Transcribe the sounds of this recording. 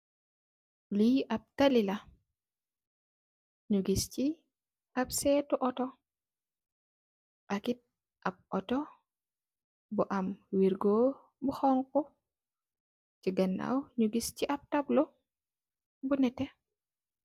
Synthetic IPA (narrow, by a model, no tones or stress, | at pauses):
liʔab̚talila | ɲuɡist͡ʃi | ʔabsɛtuʔɔtɔ | ʔakit̚ | ʔab̚ɔtɔ | buʔamwiɾɡo | buxɔŋkɔ | t͡ʃiɡɐnːa̰wɲuɡist͡ʃiʔap̚tablɔ | bunɛtːɛ